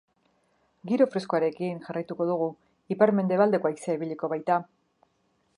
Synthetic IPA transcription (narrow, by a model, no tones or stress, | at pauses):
ɡiɾo̞fɾe̞skoaɾe̞kinʝarajt̪uko̞ðuɣ̞u | ipaɾme̞nd̪e̞βald̪e̞koaisaiβiʎiko̞βajt̪a